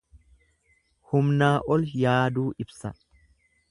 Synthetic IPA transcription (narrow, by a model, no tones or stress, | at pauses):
hʊmnaːʔɔljaːd̪uːʔɪbsɐ